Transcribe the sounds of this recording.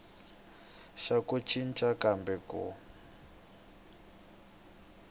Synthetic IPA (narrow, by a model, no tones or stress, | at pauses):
ʃakut͡ʃʰint͡ʃʼakambɛkṵ